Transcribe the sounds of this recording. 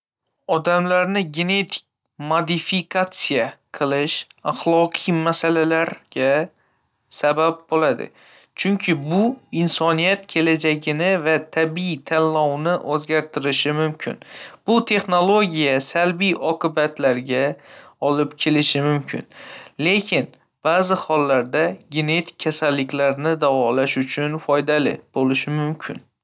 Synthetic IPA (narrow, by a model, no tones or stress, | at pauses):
ɒd̪amlaɾnɪɡʲe̞ne̞t̪ʰɪ̥k̚ʲ | mod̪ɪfikʰat̪sijaqʰɨlˠɪʃaχlˠɒqʰɨjmasalalaɾɡ̥ʲa | sabap̚bolad̪ɪ̰ | t͡ʃʰʊŋkʲʰɪbʊɪnsɒnijat̪kʲʰe̞lad͡ʒaɡʲɪnɪvat̪ʰabit̪ʰanːɒwnɪʔɵzɡʲaɾt̪ʰɪɾɪʃɪmʊmkʲʰɪ̰nb̥ʊt̪ʰe̞χno̞lˠo̞ɡʲijasalbijʔɒqʰɨbat̪ʰlaɾɡʲaɒlɪpkʲʰe̞lɪʃɪmʊmkʲʰɪ̰nle̞kʲʰɪn | b̥aːzɪhɒlˠːaɾd̪aɡʲe̞ne̞t̪ʰɪ̥kʲʰːasalːɪkʲlaɾnɪd̪avɒlaʃʊt͡ʃʰʊnfɒjd̪alɪ̰b̥olɪʃɪmʊmkʲʰɪ̰n